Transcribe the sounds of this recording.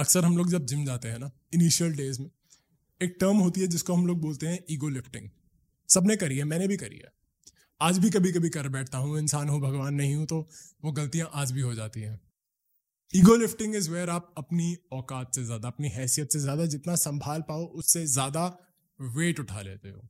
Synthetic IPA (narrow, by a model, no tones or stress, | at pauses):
ɐksəɾɦɐ̃mloːɡd͡ʒɐb̚d͡ʒɪmd͡ʒaːt̪eɦɛ̃na | ɪniːʃijəlɖeːzmẽ | eːk̚ʈəːɾmɦoːt̪iɦɛd͡ʒɪskoɦɐmloːɡ̚boːlt̪eɦɛ̃ʔiːɡolɪfʈɪ̰̃ŋɡ | sɐbnẽkɐɾiɦɛmɛ̃ːnebʱikɐɾḭɦɛ̰ː | aːd͡ʒbʱikɐbʱik̬ɐbʱikɐɾbɛːʈʰt̪aɦũɛ̃ɪ̃nsaːnɦũbʱɐɡʋaːnːɐɦĩɦũt̪oʋoɡɐlt̪ijãʔaːd͡ʒbʱiɦod͡ʒaːt̪iɦɛ̃ː | iːɡolɪfʈɪ̃ŋɡɪzʋɛːɾaːp̚ɐpniɔːkaːt̪sezjaːd̪aːpniɦɛːsijət̪sezjaːd̪ad͡ʒɪt̪nasɐ̃mbʱaːlpaːoʔʊsːezjaːd̪a | ʋeːʈʊʈʰa̰lḛːt̪ḛɦo̰ː